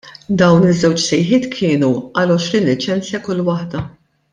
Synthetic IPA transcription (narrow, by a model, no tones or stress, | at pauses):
d̪ɐwnɪzːɛwt͡ʃsɛjħɪːt̪kʰɪːnuɐlɔʃɾiːnlɪt͡ʃɛnt͡sjɐkʊlːwɐħd̪ɐ